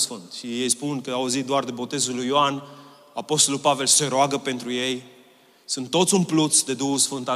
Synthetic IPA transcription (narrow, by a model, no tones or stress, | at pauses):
sfɨnt̪ʃijejspunkəauzit̪̚d̪oard̪e̞bo̞t̪e̞zulujoan | apo̞st̪o̞lulpave̞lseɾoaɡəpe̞nt̪ɾuje̞j | sɨnt̪ːo̞t̪sʲunplut̪sd̪e̞d̪uusfɨnt̪a